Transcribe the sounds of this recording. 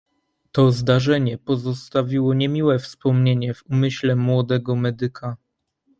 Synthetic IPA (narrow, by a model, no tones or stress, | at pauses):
t̪ɔzd̪aʐɛɲɛpɔzɔst̪avʲiwɔɲɛmʲiwɛfspɔmɲeɲɛvumɘɕlɛmwɔd̪ɛɡɔmɛd̪ɘkʰa